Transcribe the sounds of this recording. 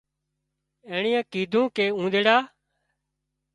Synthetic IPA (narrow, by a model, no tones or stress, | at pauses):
ẽːɳiːãːkiːd̪ʱũːkeːũːɗ̪eːɽaː